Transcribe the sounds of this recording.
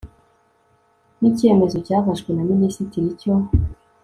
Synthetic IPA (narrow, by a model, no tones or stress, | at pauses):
nicie̞me̞zo̞cavaʒɡwenaminisitiɾico